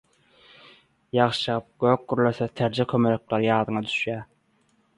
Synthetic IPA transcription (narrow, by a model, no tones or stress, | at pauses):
jɑʁʃjɑp̚ɡ̥øːk̚ɡyɾløθet̪ʰæɾd͡ʒekʰømeløk̚lɑɾjɑːd̪ɯŋɑd̪y̥ʃjæː